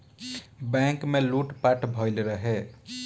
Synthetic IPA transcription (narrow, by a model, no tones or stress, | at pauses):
bɛ̃ŋkmeluʈpaʈʰbʱəɪlɾəɦe